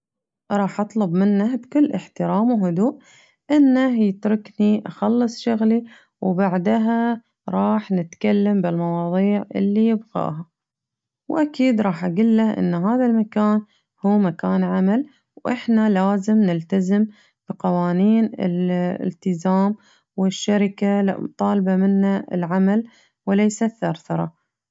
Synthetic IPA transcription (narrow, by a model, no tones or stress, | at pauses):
ɾˤɑːħʔɑt̪ˤlʊbmɪnːabkʊlːʔɪħt̪ɪɾaːmwɦʊd̪uːʔ | ʔɪnːahjɪt̪ɾɪkniʔaxɑlːɨsˤʃʊɣli | wbaʕd̪ɦa | ɾˤɑːħnɪt̪kalːambɪlmɑwɑːðˤiːʕʔɪ̰lːijɪbɣɑ̰ːha | wʔakiːd̪ɾˤɑːħʔaɡɪlːaʔɪ̰nːɦaːðalmakaːn | huːmakaːnʕamal | wʔɪħnalaːzɪmnɪlt̪azɪm | b̥iqɑwaːniːnɪ̰lɪ̰lt̪ɪzaːm | wɪʃːaɾɪkat̪ˤɑːlbamɪnːaɪ̰lʕamal | wlejsaθːɑɾθɑɾˤɑ̰